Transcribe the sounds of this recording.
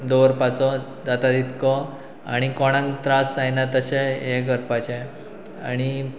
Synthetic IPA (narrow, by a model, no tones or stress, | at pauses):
d̪oɾpat͡sɔ | d͡zat̪ad̪ʱit̪kɔ | a̰ɽ̃ikɔɽ̃ãŋɡt̪ɾasajnat̪əɕeɦeɡəɾpat͡ɕe | a̰ɽ̃i